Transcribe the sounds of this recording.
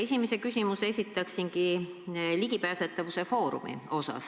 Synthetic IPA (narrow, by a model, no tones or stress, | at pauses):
e̞simese̞kysʲimuse̞sʲit̪ːˑɑksiŋki | liɡ̥ipæːset̪ːˑɑvuse̞fo̞ːɾṵmḭo̞sɑ̰s